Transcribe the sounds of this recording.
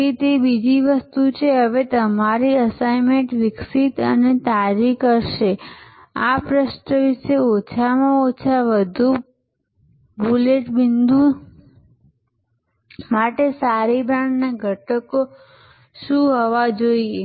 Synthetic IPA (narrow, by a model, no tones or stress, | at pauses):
it̪ebid͡ʒiʋəst̪ut͡ʃʰeɦəʋet̪əmaɾiəsaimeɳʈʋɪksit̪ənet̪ad͡ʒikəɾʃe | apɾəʃʈəʋɪʃeot͡ʃʰamãot͡ʃʰaʋəd̪ʱu | buleʈbɪnd̪u | maʈesaɾibɾãɳɖnaɡʱəʈəko | ʃũɦəʋad͡ʒoie